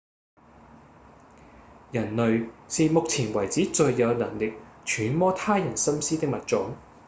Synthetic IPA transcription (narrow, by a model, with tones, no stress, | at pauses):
jɐ˨˩nlɵ˨˧ɥsiː˨mʊ˨k̚t͡sʰiː˨˩nwɐ˨˩jt͡siː˨˥t͡ʃɵ˧ɥjɐ˨˧wnɐ˨˩ŋlɪ˨k̚t͡ʃʰyː˨˥nmɔː˥t̪ʰaː˥jɐ˨˩nsɐ˥msiː˥t̪ɪ˥k̚mɐ˨t̚t͡ʃʊ˨˥ŋ